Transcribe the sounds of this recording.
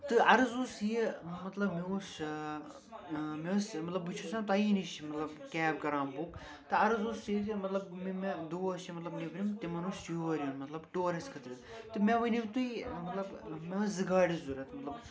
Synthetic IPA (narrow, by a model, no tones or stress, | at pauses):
t̪ɨɐɾɨzoːsjimɐt̪lɐbmius | meʋɐsmɐt̪lɐbɨt͡ʃʰusãnt̪ɐiniʃmɐt̪lɐbkʲɛːb̚kɐɾaːmbuːk | t̪ɨɐɾɨzoːsitmɐt̪lɐbmimed̪oːɐsimɐt̪lɐbnepɾʲimt̪imɐnuːst͡ʃioʋɐɾionmɐt̪lɐbʈoːɾɐskʰɐt̪ɾɨt̪ | t̪ɨmeʋɐniwt̪ujmɐt̪lɐbmeɐszɨɡaːɽizuɾɐt̪mɐt̪lɐb